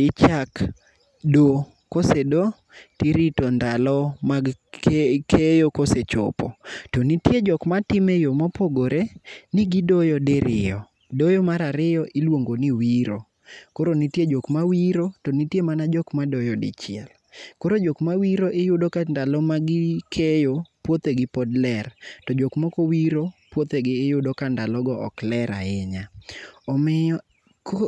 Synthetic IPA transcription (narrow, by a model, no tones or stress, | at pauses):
ɪt͡ʃak | do | kosedo | tiɾitɔndalɔmaɡ | kʰejokoset͡ʃɔ̰pɔ̰tonitjed͡ʒɔkmatɪmɛjomɔpoɡoɾenɪɡidɔjɔdɪɾɪ̰jɔ | dɔjɔmaɾaɾɪɔʔɪlwoŋɡoniwiɾo̰ | koɾonɪtjed͡ʒokmawiɾotɔnɪtjemanad͡ʒɔkmadɔjɔdɪ̰t͡ʃɪɛ̰l | koɾod͡ʒokmawiɾoʔɪjʊdokandalɔmaɡɪkʰejopwot̪eɡɪpɔdlɛrtɔd͡ʒokmɔkɔwiɾopwot̪eɡɪːjʊdokandalɔɡɔɔ̰klɛɾa̰ɪɲaɔmɪɔ | k